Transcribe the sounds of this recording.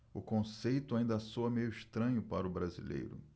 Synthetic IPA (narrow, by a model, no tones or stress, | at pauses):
ʊkõsejt̪ʊaĩnd̪ɐasoɐmejʊiʃt̪ɾɐ̃ɲʊpaɾʊbɾazḭlḛjɾʊ̰